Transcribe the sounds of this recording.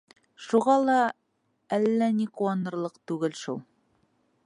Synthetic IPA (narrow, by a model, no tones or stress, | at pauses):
ʃuʁɑlˠɑ | ælːæniquɑnɤ̆ɾlˠɤqt̪ʉɡɘlʃulˠ